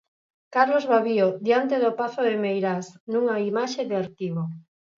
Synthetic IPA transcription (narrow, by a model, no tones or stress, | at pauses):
kaɾlozβaβioðjant̪̬eðopaθoðemejɾasnũŋaimaʃeðɪaɾt̪iβo